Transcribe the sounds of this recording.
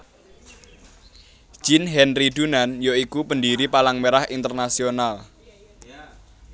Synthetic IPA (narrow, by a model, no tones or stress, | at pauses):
d͡ʒ̥ɪnɦɛnriɖ̪unanjoikupəndiɾipalaŋmeɾahint̪ərnasional